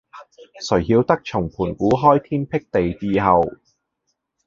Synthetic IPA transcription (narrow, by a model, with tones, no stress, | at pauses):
sɵ˨˩ɥhiː˧wt̪ɐ˥k̚t͡ʃʰʊ˨˩ŋpʰuː˨˩nkuː˨˥ɦɔː˥jt̪ʰiː˥npʰɪ˥k̚t̪e˨jt͡siː˧ɦɐ˨w